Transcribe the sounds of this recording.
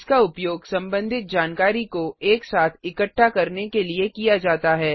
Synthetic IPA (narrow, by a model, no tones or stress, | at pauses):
skaʊpjoːɡsɐ̃mbə̃nd̪ʱɪt̪̚d͡ʒaːnkaːɾikoeːksaːt̪ʰɪkəʈːakɐɾnekeliekijad͡ʒaːt̪aɦɛː